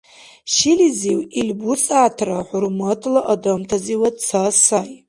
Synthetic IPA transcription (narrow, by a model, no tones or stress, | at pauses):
ʃiliziwilbusʼaːtʰraħʊɾmotʰlaʔadomtʰaziwadt͡sʰasaj